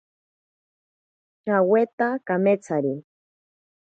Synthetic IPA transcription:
t͡ʃawet̪akamet͡saɾi

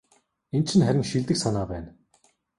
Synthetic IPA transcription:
ent͡ɕʰɪ̆nχæɾʲɪ̆ŋʃiɮt̪ɘ̆ksanaːpæːn

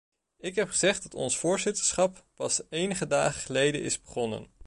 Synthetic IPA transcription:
ɪkɦɛpχəzɛχdɑtɔ̰nsfʊːɹzɪtə̥ɹsχɑpːɑsejnəχədaːχəχəlejdə̰nɪ̰zbəχɔnə̰n

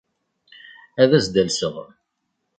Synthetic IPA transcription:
æðæzd̪ælsəʁ

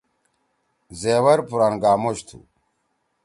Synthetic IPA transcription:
zeːwɐɾpuɾanɡaːmoɕt̪ʰṵ

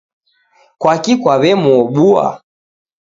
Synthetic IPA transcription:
kwakikwaβɛmuɔɓua̰

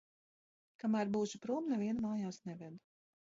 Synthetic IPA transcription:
kamæːɾbuːʃupɾuːmnɛvʲiɛnmaːjawsnɛvɛd̪

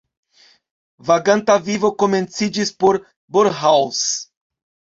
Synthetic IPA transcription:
vaɡãnt̪avivokomẽnt͡sid͡ʒispoɾ | boɾɦaws

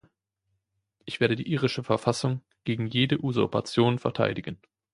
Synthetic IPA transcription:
ʔɪçv̥eːɐɾədiːʔiːʁɪʃəfɛɐfasʊŋ | ɡ̥eːɡŋ̩jeːdəʔuzʊpʰa̰t͡sjoːnfɛɐtʰa̰ɪdɪɡən

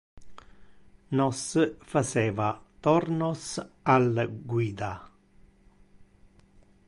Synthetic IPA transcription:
nɔsfat͡ʃɛːvat̪ɔrnosalɡwiːd̪a

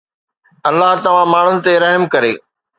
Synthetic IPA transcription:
ɐlːaɦt̪ɐʋ̤ãmaːɳ̤ʊnɪ̆t̪eɾɐɦmkɐɾeː

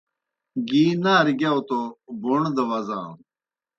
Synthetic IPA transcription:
ɡiːnaːɾiɡjawt̪oboɳd̪ɐʋazã̰ː

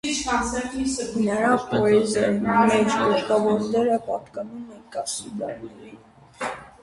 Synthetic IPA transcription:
it͡ʃɑt͡sʰɛkisnəɾɑvpɔɛzɑɾnmɛt͡spɔɾt̪ɑvɔɾnɛɾəpɑ̰t̪kɑnumɛnkɑsid̪ɑ̰ɾnɛɾin

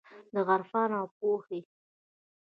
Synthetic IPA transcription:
d̪əɣaɾfɑnawp̚ohe

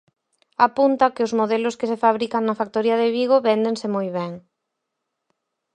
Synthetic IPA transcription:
apunt̪ɐkɪʊzmoðelʊskɪsefaβɾikɐŋnɐfak̚t̪oɾiɐðɪβiɣoβɛnd̪eŋsɪmojβɛŋ

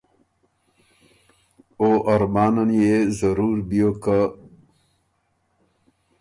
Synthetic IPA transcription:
oʔɐɾmɑːnənjezəɾuːɾbijokə

